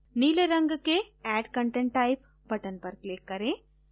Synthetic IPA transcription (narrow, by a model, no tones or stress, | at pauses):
niːleɾɐ̃ŋɡkeɛːɖkɐɳʈẽɳʈːaɪp | bʱɐʈənpɐɾklɪkːɐɾẽː